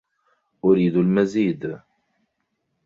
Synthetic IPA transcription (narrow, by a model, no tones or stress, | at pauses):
ʔʊɾiːd̪ʊlmaziːd̪